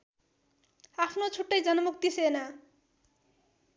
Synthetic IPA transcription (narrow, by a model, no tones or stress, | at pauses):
apʰnot͡sʰuʈːajd͡zʌnʌmuk̚t̪isena